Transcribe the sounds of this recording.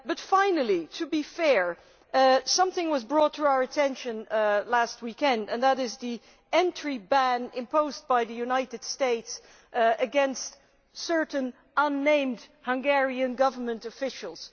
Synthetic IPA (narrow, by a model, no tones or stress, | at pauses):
b̥ʌtfãɪ̃nl̩ˠiɾʰɨbifɛɹ | sʌ̃mθɪ̃ŋwʌzbɹɔt̪ɹuaʊə˞ɨtʰɛ̃nʃɨ̃nlæst̚wikɛ̃ndɨ̃nðəɾɪzði | ɛ̃ntɹ̥ibæ̃nɪ̰̃mpoʊzbaɪðɨjʉnaɪɾɨd̥steɪts | ʔɨɡɛ̃nst | sɜ˞ʔn̩ | ʌ̃nːẽɪ̃mdhʌ̃ŋɡɛɹiɨ̃nɡʌvə˞mə̃ntɨfɪʃl̩ˠz̥